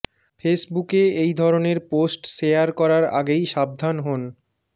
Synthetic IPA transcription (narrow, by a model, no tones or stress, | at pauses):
fʰesbukeejd̪ʱɔɾoneɾposʈʃejaɾkɔɾaɾa̰ɡejʃab̚d̪ʱanɦon